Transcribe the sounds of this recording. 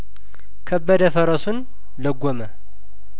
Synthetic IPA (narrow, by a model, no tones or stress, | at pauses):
kʰəbːəd̪əfəɾəsun | ləɡʷːomə